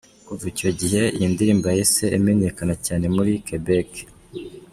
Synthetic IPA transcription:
kuvuco̞ɟiɦe̞jindiɾiːmbajese̞ːmene̞kanacaːne̞muɾikebek

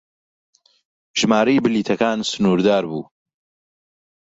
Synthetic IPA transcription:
ʒ̥maːɾɐjbɨliːt̪ʰɐkaːnsɨnuːɾd̪aːɾbṵː

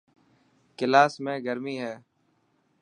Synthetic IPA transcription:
kɪlaːsmẽːɡəɾmiːɦɛː

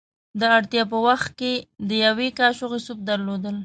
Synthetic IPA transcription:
d̪əaɽt̪jɑp̬əwaxt̪̚ked̪əjawekɑʃoɣesup̚d̪aɾlod̪əl

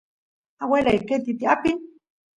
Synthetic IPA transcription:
aweleiket̪it̪iapin

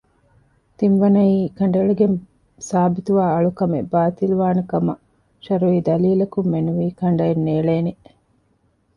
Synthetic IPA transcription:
t̪inʋɐnɐiːkɐɳ̆ɖɐɭuɡem | saːbit̪uʋaːɐɭukɐmḛbaːt̪iluʋaːnɐkɐmɐ | ʃɐɾuiːd̪ɐliːlɐkumːenuʋiːkɐɳ̆ɖɐenːeːɭeːne

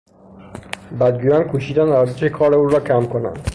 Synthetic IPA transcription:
bæd̪̚ɡujɒnkʰuʃiːd̪ænæɾzeʃekʰɒːɾeuːɾɒːkʰæmkʰonæ̰nd̪̥

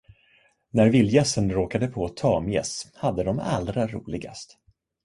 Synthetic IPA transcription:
næɾvɪljɛsənɾoːkad̪əpʰɔt̪ʰɑːmjɛ̰shad̪ːəd̪ɔma̰ld̪ɾaɾṵːlɪɡa̰st̪

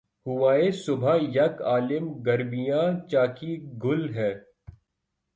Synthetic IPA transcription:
hʊʋaːesʊbʱajɐkaːlɪmɡɐɾmijãt͡ʃaːkiɡʱʊlɦɛː

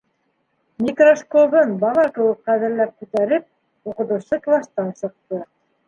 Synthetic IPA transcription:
mʲikroʃkoβɤnbɑlˠɑkɘ̆wɘk̚qæðɘ̆ɾlæp̚kʉt̪æɾɘp̚ | uqɤ̆t̪ɤ̆wsˠɤklˠɑst̪ɑnʃɤ̆q̚t̪ɤ

